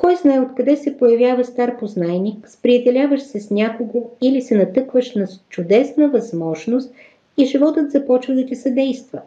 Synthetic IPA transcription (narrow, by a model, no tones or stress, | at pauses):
kɔjznaɛot̪kɐd̪ɛsɛpojɐvjavəst̪aɾpoznaɛnikspɾiɛd̪ɛlʲavəʃsɛsnʲakoɡoilisɛnɐt̪ɤkvəʃnɐt͡ʃʊd̪ɛsnəvɐzmɔʒnost̪̚ | iʒivɔt̪ət̪zɐpɔt͡ʃvəd̪ɐt̪isɐd̪ɛjst̪və